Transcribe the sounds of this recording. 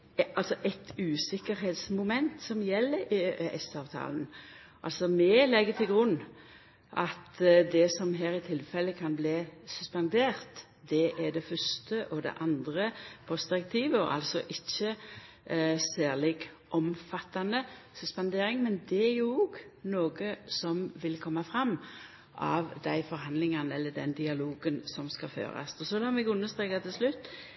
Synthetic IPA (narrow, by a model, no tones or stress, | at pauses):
ʔɑlsɔʔɛt̪ʉːsɪkəɾɦeːt̪smʊmɛnt̪sɔmjɛlːəɛ̰sɑːʋt̪ʰɑ̰ːln | ʔɑ̰lsɔmɛlɛɡːət̪ʰɪlɡʁʉnː | ʔɑt̪d̪ɛsɔmɦæːɾɪt̪ʰɪlfɛlːəkʰɑnbliːsʉspɑnd̪eːʁt̪ | d̪ɛʔæd̪ɛfœʂt̪əʔɔd̪ɛ̰ʔɑnd̪ʁəpʰɔsd̪̥ɪɾɛk̚t̪ʰiːʋəɔ̰ʔɑ̰lsɔʔɪçːə | sæːʁlɪɡ | ʔɔmfɑt̪ːɑnəsʉspɑnd̪eːɾɪŋmɛnd̪ɛæɾjʊoɡnoːɡəsɔmʋɪlkʰɔmːɑfɾɑmː | ʔɑ̰ʋd̪æɪfɔɾɦɑnd̪lɪŋɑnəɛlːəɖ̪ɛnd̪ɪɑloːɡənsɔmskɑfø̰ːɾɑ̰sɔsɔlɑːmɛɡʉnːəst̪ɾeːkɑt̪ʰɪlslʉt̪ː